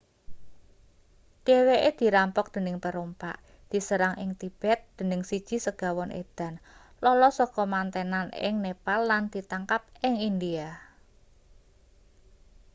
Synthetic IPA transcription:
d̥eweʔed̪̥i̤ɾampɔk̚d̪̥ə̤nɪŋpəɾompa̰ʔ | d̪̥i̤səɾaŋʔɪŋt̪ib̥ɛt̪̚d̪̥ə̤nɪŋsid̥ʒ̥i̤səɡ̥a̤wɔnʔḛd̪̥a̤n | lɔlɔsɔkɔmant̪enanɪ̰ŋnepalːand̪̥i̤t̪aŋkap̚ɪŋind̪ia

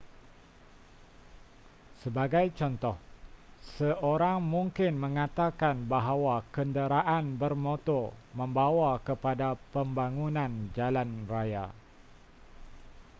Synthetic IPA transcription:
səbaɡajt͡ʃɔnt̪ɔhsəʔoɾaŋmũŋkɪnmə̃ŋat̪akanbaɦawakəndəɾaʔanbərmot̪ɔmə̃mbawakəpadapəmbaŋunãnd͡ʒalanraja̰

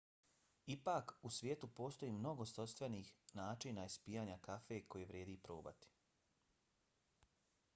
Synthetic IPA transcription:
ipaːkusʋjeːt̪upo̞ːst̪o̞jiːmno̞ɡo̞st̪ost̪ʋe̞nixnaːt͡ʃinaispiːjaːɲakafeko̞jeʋɾjeːd̪iːpɾo̰ːba̰t̪i̥

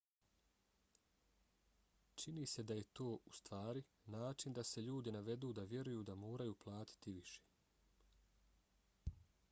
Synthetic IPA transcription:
t͡ʃinise̞d̪aje̞t̪o̞ːust̪ʋaːɾi | naːt͡ʃind̪ase̞ʎuːd̪inaʋe̞d̪uːd̪aʋje̞ɾujuːd̪amo̞ːɾajuːplˠaːt̪i̥t̪iʋiʃe

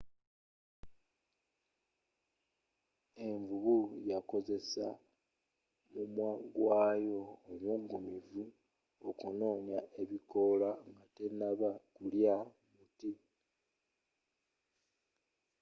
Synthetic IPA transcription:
e̞ɱvuβujako̞ze̞sa | mumwaːɡwaːjo̞ːmwuːŋɡumivu | okuno̞ːɲae̞βiko̞laŋɡate̞naβakulja | muti

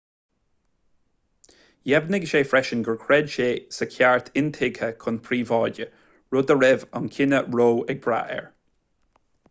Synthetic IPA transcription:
jɛbnɪɡʃeːfɹɛʃənɡəɹkʰɹɛdʃeːsəkʰjaɹt̪ʰɪnt̪ʰɪɡhəkʰʊnpʰɹiːvɔːdʲə | ɹod̪əɹɪvankʰɪnəɹoːɛɡ̚b̥ɹa̰ʔɛ̰ɹ

